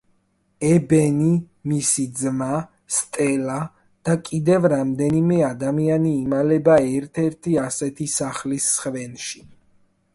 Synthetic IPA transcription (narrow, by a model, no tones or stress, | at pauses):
ɛbɛni | misid̪zma | st̪ʼɛla | d̪̥akʼid̪ɛvɾamd̪ɛnimɛad̪amianiːmalɛbaɛɾt̪ʰɛɾt̪ʰiasɛt̪ʰisaχlisːχvɛnʃi